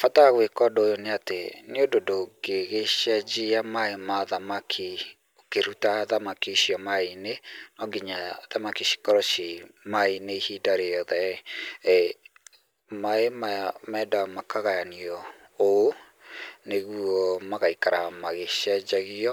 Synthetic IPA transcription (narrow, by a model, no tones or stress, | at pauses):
fataɣwekɔdojoneateneododoɡeɣeʃad͡ʒiamaemaðamakʰi | okeɾutaðamakiʃijɔmainenɔɡiɲaðamakiʃi̥kɔɾɔʃimaineihidaɾeɔðɛ | maemamɛdamakaɣajaniɔ | oo | neɣwɔmaɣaikaɾamaɣeʃɛd͡ʒaɣiɔ